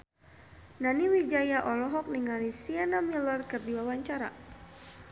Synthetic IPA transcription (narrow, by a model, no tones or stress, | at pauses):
naniwid͡ʒajaʔɔlɔɦɔk̚niŋalisianamilərkərdiwawaɲt͡ʃaɾa̰